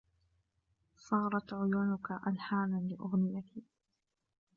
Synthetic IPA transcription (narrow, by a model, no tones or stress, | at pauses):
sˤɑːɾˤɑt̪ʕʊjʊːnʊkaʔalħaːmanlɪʔʊɣnɪjat̪ʰi